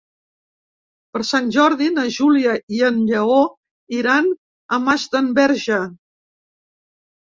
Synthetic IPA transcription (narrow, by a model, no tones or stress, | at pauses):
pəɾsanʲʒɔɾðinəʒuliəiənʎəo | iɾan | əmazd̪əmbɛɾʒə